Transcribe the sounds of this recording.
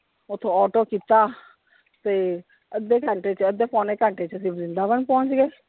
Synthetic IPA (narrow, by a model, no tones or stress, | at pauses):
ʊt̪ʰːõːɔːʈoːkiːt̪aː | t̪eː | əd̪ːeːkəɳʈeːt͡ʃəd̪eːpoːneːkəɳʈeːt͡ʃəsɪ̃zɪnd̪aːʋənpɔ̃ːt͡ʃɡeː